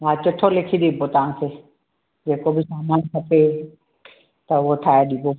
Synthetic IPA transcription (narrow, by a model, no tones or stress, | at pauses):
aːt͡ʃəʈʰːolekʰid̪iːbot̪aãse | d͡ʒeːkobʱisaːmaːnkʰəpʰe | t̪ɐʋoʈʰaːjaɗiːboː